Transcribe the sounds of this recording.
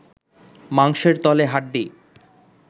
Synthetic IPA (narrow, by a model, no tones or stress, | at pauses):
maŋʃeɾt̪ɔleɦaʈ̚ɖi